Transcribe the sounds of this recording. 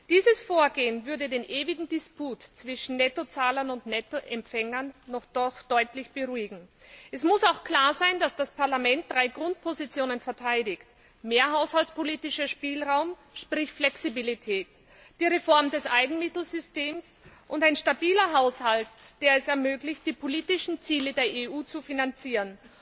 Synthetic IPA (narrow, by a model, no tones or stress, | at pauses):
d̥iːzəsfoːɐɡeːənvʏɐdədeːnʔeːvɪɡŋ̩dɪspuːtt͡sv̥ɪʃn̩nɛtot͡saːlɐnʊntnɛtoʔɛmpfɛŋɐnːɔχd̥ɔχd̥ɔʏtlɪçb̥əʁuːɪɡŋ̩ | ʔɛsmʊsaʊxkl̥aːɐzaɪndasd̥aspʰaɐlamɛnt̚d̥ʁaɪɡʁʊnt̚pʰozit͡sjoːnənfɛɐtʰaɪdɪçt | meːɐɦaʊshaltt͡spʰoliːtɪʃɐʃpiːlʁaʊm | ʃpʁ̥ɪçflɛksibilitʰɛːt | d̥iːʁefɔɐmdɛsʔaɪɡŋ̩mɪtl̩zʏsteːmsʔʊntaɪnʃtabiːlɐɦaʊshaltd̥eːɐɛsɛɐmøːɡlɪçt̚d̥iːpʰoliːtɪʃn̩t͡siːlədeːɐʔeʔuːt͡sufinant͡siːʁən